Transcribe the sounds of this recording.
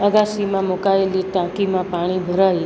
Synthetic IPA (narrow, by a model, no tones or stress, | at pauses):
əɡasimãmokaeliʈãkimãpaɽ̃ibʱəɾai